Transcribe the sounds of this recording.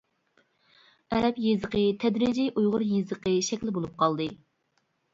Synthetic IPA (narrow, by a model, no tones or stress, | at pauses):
ɛɾɛpjezəqət̪ʰɛd̪ɾɪd͡ʒijʔujʁʊɾjezəqəʃɛkʲlɪbolˠup̚qɑlˠd̪ɨ